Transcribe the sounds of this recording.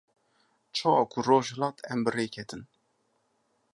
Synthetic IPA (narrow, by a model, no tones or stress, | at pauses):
t͡ʃʰɑːwɑːkʰuroːʒhɨlɑːt̪ʰɛmbɨreːkʰɛt̪ʰɨn